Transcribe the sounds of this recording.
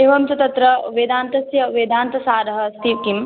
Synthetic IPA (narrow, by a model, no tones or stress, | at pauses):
eːʋɐmsɐt̪ɐt̪ɾɐʋed̪aːnt̪ɐsjɐʋeːd̪aːnt̪ɐsaːɾɐɦɐst̪iʋkim